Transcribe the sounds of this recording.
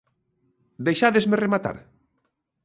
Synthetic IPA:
d̪ejʃaðezmeremat̪a̰ɾ

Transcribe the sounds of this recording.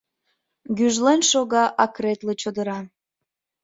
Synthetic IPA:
ɡyʒlenʃoɣɑʔɑkret̪let͡ɕod̪əɾɑ

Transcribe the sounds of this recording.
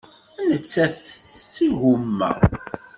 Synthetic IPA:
ænət͡sːæθsiʝʊmːæ̰

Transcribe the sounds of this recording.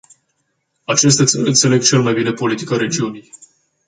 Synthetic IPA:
at͡ʃe̞s̬t̪atsɨnt̪se̞le̞ɡ̚t͡ʃe̞lmajbine̞po̞lit̪i̥kaɾe̞d͡ʒiunij

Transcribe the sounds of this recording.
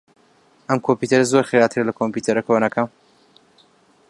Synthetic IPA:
ʔɐmkʰomput̪ɐɾɐzoɾxeɾaːt̪ʰɨɾɐlɐkʰompuːt̪ʰɐɾɐkʰɐwɐnɐkʰam

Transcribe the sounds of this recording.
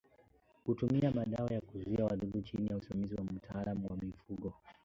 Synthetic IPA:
kutumiamaɗaɔjakuzuiawaɗuɗut͡ʃinijausimamiziwam̩tʰaːlamuwamifuɠɔ

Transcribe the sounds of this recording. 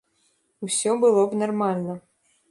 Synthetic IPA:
usʲɔbɨlˠobnɐrmalʲnə

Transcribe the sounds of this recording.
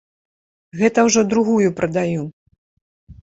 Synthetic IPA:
ɣɛt̪ɐwʐɔd̪ɾuɣujupɾʔɐd̪aju

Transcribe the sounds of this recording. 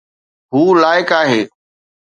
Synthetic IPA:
ɦuːlaːɪkaːɦeː

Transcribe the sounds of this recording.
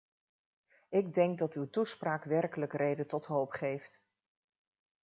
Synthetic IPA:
ɪɡ̚dɛŋɡ̚dɑtywtuspraːkʋɛrkələkrejdəntɔtɦowpχejft

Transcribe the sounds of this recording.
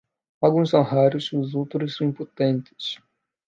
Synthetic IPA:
alɡũsɐ̃w̃ɦaɾʊsʊzowt̪ɾʊssɐ̃w̃ĩmpot̪ẽnt̪ɪ̥s

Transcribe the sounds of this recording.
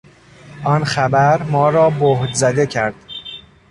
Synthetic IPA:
ʔɒːnxæbæɾmɒːɾɒːbohd̪zæd̪e̞cʰæɾd̪̥

